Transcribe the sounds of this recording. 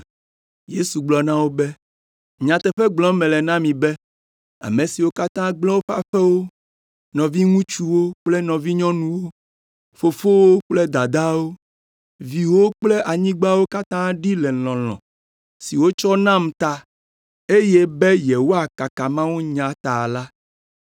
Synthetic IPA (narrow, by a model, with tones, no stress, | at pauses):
je˦su˨ɡ͡blɔ˨nã˦wo˦be˦ | ɲã˨t̪ɛ˨ɸɛ˦ɡ͡blɔ̃˨˦mɛ̃˨lɛ˨nã˦mĩ˨be˦ | a̰˨mẽ˨si˨wo˦ka˦t̪ã˦ɡ͡blɔ˦wo˦ɸa̰˦ɸɛ˦wo˦ | nɔ̃˨vi˦ŋũ˦t͡ʃu˦wo˦k͡ple˦nɔ̃˨vi˦ɲɔ̃˦nũ˨wo˦ | fo˨fo˦wo˦k͡ple˦d̪a˨d̪a˦wo˦ | vi˨wo˦k͡ple˦ʔa˨ɲĩ˦ɡ͡ba˦wo˦ka˦t̪ã˦ɖi˦lɛ˨lɔ̃˨lɔ̰̃˨ | si˨wo˦t͡ʃɔ˦nã˦˨m˨t̪a˨ | e˦je˦be˦jɛ˨wo˦a˨ka˨ka˨mã˦wu˦ɲã˨t̪a˨la˦